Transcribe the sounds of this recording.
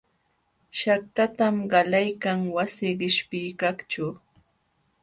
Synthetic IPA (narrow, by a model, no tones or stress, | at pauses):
ʃak̚t̪at̪amɢɑlajkaŋwasɪɢɪʃpɪjkakt͡ʃʊ